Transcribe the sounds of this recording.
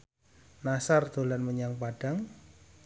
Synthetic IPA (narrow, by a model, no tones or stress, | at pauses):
nasard̪̥o̤lanməɲaŋpaɖ̥a̤ŋ